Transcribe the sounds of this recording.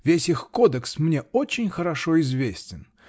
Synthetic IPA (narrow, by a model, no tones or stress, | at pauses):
vʲesʲixkod̪əksmnʲeot͡ɕːɪnʲxəɾɐʂoɪzvʲesʲtʲɪn